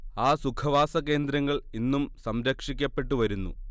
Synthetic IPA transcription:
aːsukʰɐʋaːsɐke̞ːnd̪ɾɐŋːɐɭinːumsɐmɾɐkʂikʲːɐpːe̞ʈːuʋɐɾunːṵ

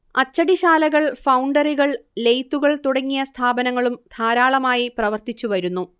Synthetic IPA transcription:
ɐt͡ɕːɐɽiɕaːlɐɣɐɭfɐwɳɖɐriɣɐɭle̞jt̪ːuɣɐɭt̪uɽɐŋːijɐst̪ʰaːbɐnɐŋːɐɭumd̪ʰʱaːɾaːɭɐmaːjiprɐʋɐrt̪it͡ɕːuʋɐɾunːu

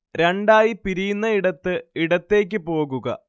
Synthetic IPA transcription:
ɾeɳɖaːjipiɾijunːɐiɽɐt̪ːɨiɽɐt̪ːe̞ːk̬ʲːɨpo̞ːɣuɣɐ̰

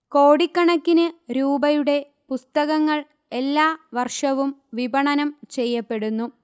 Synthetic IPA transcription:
ko̞ːɽikːɐɳɐkːinɨɾuːbɐjuɽe̞ | pust̪ɐɣɐŋːɐɭ | elːaːʋɐrʂɐʋumʋibʱɐɳɐnɐmt͡ɕe̞jːɐpːe̞ɽunːu

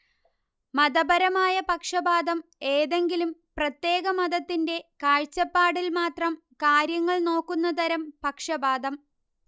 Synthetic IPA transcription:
mɐðɐbɐɾɐmaːjɐpɐkʂɐbaːd̪ɐme̞ːðe̞ŋɡilumprɐt̪je̞ːɡɐmɐðɐt̪ːinde̞kaːɻt͡ɕːɐpːaːɽilmaːt̪rɐm | kaːɾjɐŋːɐɭno̞ːkːunːɐt̪ɐɾɐmpɐkʂɐbaːd̪ɐm

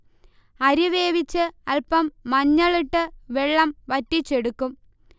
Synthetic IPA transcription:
ɐɾiʋeːʋit͡ɕːɨɐɭpɐmːɐɲːɐɭiʈːɨʋeɭːɐmʋɐtːit͡ɕːeɽukːum

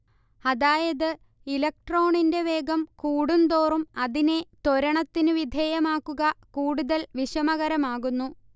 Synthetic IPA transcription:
ɐðaːjɐðɨ | ilɐk̚ʈro̞ːɳinde̞ʋe̞ːɡɐmkuːɽund̪o̞ːrumɐðine̞t̪oɾɐɳɐt̪ːinɨʋid̪ʱeːjɐmaːkːuɣɐkuːɽuðɐlʋiɕɐmɐɣɐɾɐmaːɣunːu

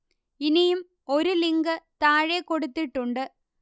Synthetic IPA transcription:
ɪnijɯm | ɔɾɯlɪŋɡɐt̪aːɻeːkːɔɽɯt̪ːɪʈːʊɳɖɯ

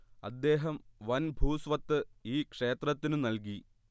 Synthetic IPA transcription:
ɐd̪ːe̞ːɦɐmʋɐnbʱuːsʋɐt̪ːɨiːkʂe̞ːt̪rɐt̪ːinɨnɐlki

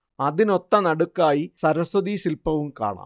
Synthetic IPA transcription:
ɐðino̞t̪ːɐnɐɽukːaːjisɐɾɐsɐðisilpɐʋumka̰ːɳa̰ː

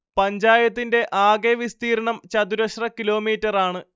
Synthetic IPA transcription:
pɐɲd͡ʑaːjɐt̪ːinde̞ʔaːɡeʋist̪iːɾɐɳɐmt͡ɕɐd̪uɾɐɕrɐkilo̞ːmiːtːɐraːɳɨ

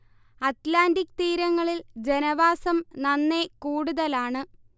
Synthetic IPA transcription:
ɐt̪laːndikːt̪iːɾɐŋːɐɭild͡ʑe̞nɐʋaːsɐmnɐnːe̞kuːɽuðɐlaːɳɨ

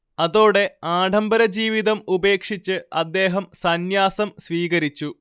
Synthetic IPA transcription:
ɐðo̞ːɽe̞aːɖʱɐmbɐɾɐd͡ʑiːʋiðɐmube̞ːkʂit͡ɕːɨɐd̪ːe̞ːɦɐmsɐnjaːsɐmsʋiːɣɐɾit͡ɕːu

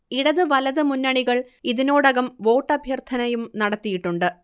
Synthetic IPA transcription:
iɽɐðɨʋɐlɐðɨmunːɐɳiɣɐɭ | iðino̞ːɽɐɣɐmʋo̞ːʈːɐbʱjɐrt̪ʰɐnɐjumnɐɽɐt̪ːijiʈːuɳɖɨ

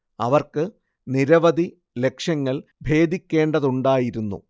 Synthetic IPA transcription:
ɐʋɐrkɨ | niɾɐʋɐd̪ʱi | le̞kʂɐŋːɐɭbʱe̞ːd̪ʱikʲːe̞ːɳɖɐðuɳɖaːjiɾunːṵ

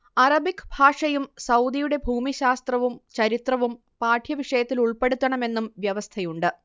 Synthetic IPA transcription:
ɐrɐbikːbʱaːʂɐjumsɐwd̪ijuɽe̞bʱuːmiɕaːst̪rɐʋumt͡ɕɐɾit̪rɐʋum | paːʈʰjɐʋiʂɐjɐt̪ːiluɭpe̞ɽut̪ːɐɳɐme̞nːumʋjɐʋɐst̪ʰɐjuɳɖɨ

